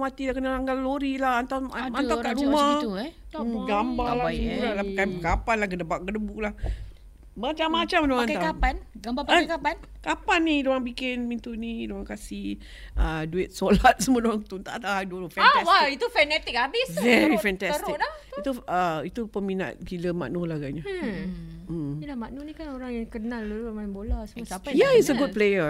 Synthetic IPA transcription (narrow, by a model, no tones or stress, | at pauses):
mat̪ilaʔkənalaŋɡalloɾilahant̪awanawkaʔɾuma | ɡambalauɾalapəkanpəkapanlahɡənəbaʔ̚ɡələbulah | mat͡ʃamːat͡ʃamdoanaaanɡaaəkaan | kapanːidoaŋbikɪnmint̪unidoaŋkasih | əduɪt̪̚solat̪̚səmuədoɾaŋt̪ut̪a̰ʔt̪aadoɾofɛ̃aswait̪ufɛnɛt̪ɪk̚abɪsvɛɾifɛ̃nt̪ɛsɾklait̪uəit̪upəmina̰t̪̚ɡiləma̰ʔnolaɡajɲa | əilamaʔnunikanoɾaŋjaŋkənãlːulumambolasəmusapajaitsəɡud̚plejə